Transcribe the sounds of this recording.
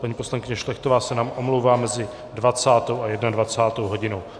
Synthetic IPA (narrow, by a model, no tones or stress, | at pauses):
paɲiːpo̞slaŋkɪɲɛʃlɛxt̪ovaːsɛnaːmʔo̞mluwvaːmɛzɪ | dvat͡saːt̪o̞wajɛdnadvat͡saːt̪owɦo̞ɟɪno̞w